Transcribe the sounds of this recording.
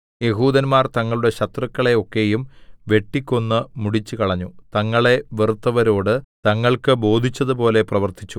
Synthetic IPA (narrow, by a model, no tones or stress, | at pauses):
je̞ɦuːd̪ɐnmaːrt̪ɐŋːɐɭuɽe̞ɕɐt̪rɐkːɐɭe̞o̞kːe̞jumʋe̞ʈːikʲːo̞nːɨmuɽit͡ɕːɨkɐɭɐɲːut̪ɐŋːɐɭe̞ʋerut̪ːɐʋɐɾo̞ːɽɨt̪ɐŋːɐɭkɨbo̞ːd̪ʱit͡ɕːɐðɨpo̞ːle̞prɐʋɐrt̪it͡ɕːu